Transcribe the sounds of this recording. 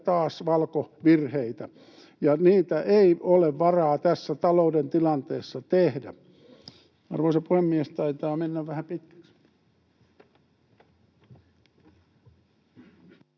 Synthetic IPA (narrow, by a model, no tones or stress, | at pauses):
t̪ɑːsʋɑlkoʋirheit̪æ | jɑniːt̪æʔeioleʋʋɑrɑːt̪æsːæt̪ɑloudent̪ilɑnt̪eːsːɑt̪ehdæ̰ | ɑ̰rʋoˑisɑpuhemːiest̪ɑit̪ɑːmenːæʋʋæhæpit̪kæ̥ks